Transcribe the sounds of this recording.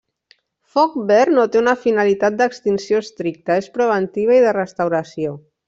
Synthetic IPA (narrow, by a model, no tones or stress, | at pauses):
fɔk̚bɛrnot̪eunəfinəlit̪at̪̚d̪əkst̪insioəst̪ɾik̚t̪əespɾəβ̞ənt̪iβ̞ɐiðərəst̪əwɾəsio